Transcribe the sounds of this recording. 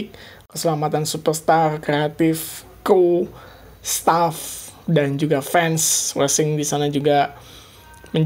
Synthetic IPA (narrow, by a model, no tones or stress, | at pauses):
k | kːəsəlamat̪ansupərst̪arkɾeat̪ɪf | ko | st̪af | dand͡ʒuɡafɛnswɛsɪŋdisanad͡ʒuɡa | məɲ